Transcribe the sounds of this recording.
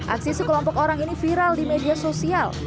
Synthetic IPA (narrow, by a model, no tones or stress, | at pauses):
ʔa̰ksisukəlɔmpɔkoɾaŋinifiɾaldimediasosial